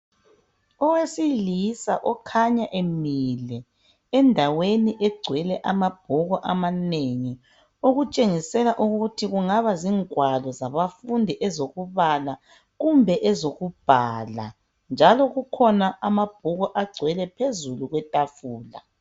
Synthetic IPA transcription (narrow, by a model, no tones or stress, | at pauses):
ɔwesilisaʔɔkʰaɲaʔemilɛ | ɛndʱaweniʔɛɡ͡ǀʱwɛlɛʔamab̥ʱuɣɔʔamaneŋi | uɣut͡ʃʼeŋisɛlaʔuɣutʰiɣuŋaβaziŋʱwalɔzaβafundʱiʔɛzoɣuβala | ɣumbʱɛʔɛzoɣub̥ʱala̰ | nd͡ʒʱalɔɣukʰɔnaʔamab̥ʱuɣɔʔaɡ͡ǀʱwɛlɛpʰezuluɣwɛtʼafuːla̰